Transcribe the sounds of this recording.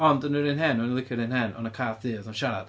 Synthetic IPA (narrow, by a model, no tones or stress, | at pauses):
ɔndənɪɾɪnɦɛnɔnilˠɪkʰɪɾɪnɦɛnɔ̰nəkʰaːθɨːɔðɔnʃaɾa̰d̥